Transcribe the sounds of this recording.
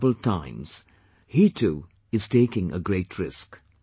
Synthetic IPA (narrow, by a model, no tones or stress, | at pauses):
bəl̩ˠtʰãɪ̃mz̥ | hitʰu | ɨz̥tʰeɪkɪ̃ŋʔə̰ɡɹeɪtʰɹɪsk